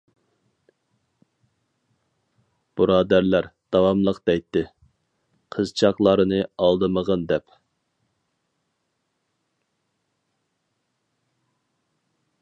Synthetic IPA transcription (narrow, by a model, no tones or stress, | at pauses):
b̥ɨɾɑːd̪æɾlæɾd̪̥ɑwɑmlˠəqd̪̥ɛjt̪ːɪ | qʰəzt͡ʃʰɑqlˠɑɾɨnɨɑlˠd̪ɨməʁənd̪ɛp